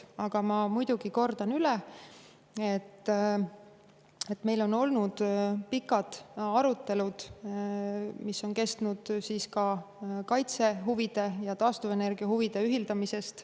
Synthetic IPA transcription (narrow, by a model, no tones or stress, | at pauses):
ɑɡ̥ɑmɑmujd̪̥uɡ̥iko̞rd̪̥ɑnylɛ | e̞t̪ː | e̞t̪ːme̞jlo̞no̞lnud̪̥pikːˑɑd̪̥ɑɾut̪ːe̞lud̪̥ | misːo̞nke̞st̪nud̪̥siːskɑ | kɑjt̪se̞ɦuvid̪̥e̞jɑt̪ɑːst̪uve̞ne̞rɡ̥iɑɦuvid̪̥e̞yɦild̪̥ɑmise̞st̪